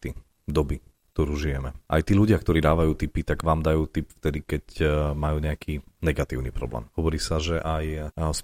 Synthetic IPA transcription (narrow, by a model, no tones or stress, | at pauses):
t̪i | d̪ɔbik̚t̪ɔɾuːʒijɛmɛʔa̰jt̪iːluɟɪakt̪ɔɾiːd̪aːʋajuːt̪ipit̪aɡʋaːmd̪ajuːt̪ipft̪ɛd̪ikɛcmajuːɲɛakʰiːnɛɡat̪iːʊnipɾɔ̰blɛ̰ːmhɔʋɔɾiːsaʒɛʔajs